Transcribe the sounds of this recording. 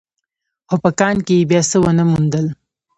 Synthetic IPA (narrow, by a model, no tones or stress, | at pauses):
opəkɑːnkejebjɑsəwənəmund̪əl